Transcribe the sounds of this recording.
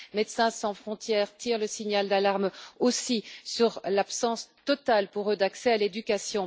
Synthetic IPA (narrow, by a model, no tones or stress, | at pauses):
met̪sɛ̃sɑ̃fχɔ̃t̪jɛʁt̪iːʁləsiɲald̪alaʁmosisyʁlapsɑ̃st̪ɔt̪alpuʁød̪aksɛaled̪ykʲasjɔ̃